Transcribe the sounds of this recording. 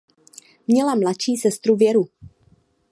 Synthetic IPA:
mɲɛlamlat̪t͡ʃiːsɛst̪ɾuvjɛɾu

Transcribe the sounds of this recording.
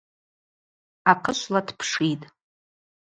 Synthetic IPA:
aqʰəʃʷladʰpʰʂitʼ

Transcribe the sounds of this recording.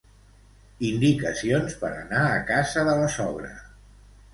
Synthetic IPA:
ind̪ikəsionspəɾə̰naəkazəðələsɔβ̞ɾə̰

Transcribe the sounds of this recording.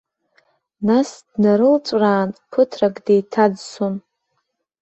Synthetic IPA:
nasdnaɾɨlt͡ʃʷʼraːnpʰɨtʰrakʼde̞jtʰad͡zsun

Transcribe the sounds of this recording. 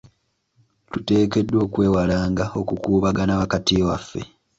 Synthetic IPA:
tute̞ːke̞dːwo̞ːkwe̞ːwalaːŋɡao̞kukuːβaɡanaβakatiwafːe̞̰

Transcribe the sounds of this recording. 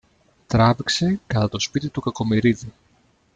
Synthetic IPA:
t̪ɾɐvikse̞kɐt̪ɐt̪o̞spit̪it̪ukɐko̞miɾiði

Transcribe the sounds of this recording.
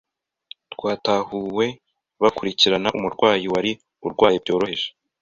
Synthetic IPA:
tkwaːtahuːwe̞ | βakuɾiciɾanaʔumuɾɡwaːjiwaɾi | uɾɡwaːjibɟo̞ːɾo̞he̞ʒe̥

